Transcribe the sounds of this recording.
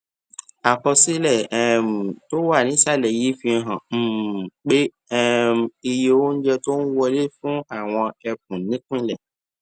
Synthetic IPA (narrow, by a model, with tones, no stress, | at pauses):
a˨ɸɔ˨si˦lɛ˨ɛ˨m˨to˦wa˦˨nĩ˦sa˦lɛ˨ji˦fĩ˦ɛ˨ɦã˨m̩˦˨k͡pe˦ | ɛ˦m˨e˨je˨wo˦n̩˦d͡ʒɛ˦to˦n̩˦wɔ˦le˦fũ˦a˨w̃ɔ̃˨ɛ˨k̚ũ˨nĩ˦ku˦ĩ˦lɛ˨